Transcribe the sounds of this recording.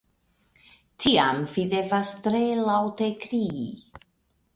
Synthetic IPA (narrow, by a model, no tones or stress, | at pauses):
tʰiamvide̞vast̪ɾelawtekɾii